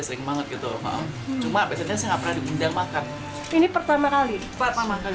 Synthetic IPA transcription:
asɪŋmaŋət̪̚ɡit̪uma̰ʔa̰t͡ʃumaːbiasanɲasɛŋapərnadiundaŋmakan | inipərt̪amakali | pəpamaka

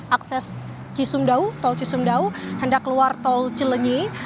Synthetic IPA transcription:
ʔaksɛs | t͡ʃisumdaut̪ɔlt͡ʃisumdauhəndakəluart̪ɔlt͡ʃələɲi

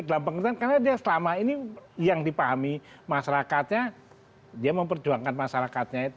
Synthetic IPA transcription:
dalampəŋərdankarnadiasəlamainijaŋdipaɦami | maʃaɾakat̪̚ɲa | diaməmpərd͡ʒuaŋkanmaʃaɾakat̪̚ɲait̪

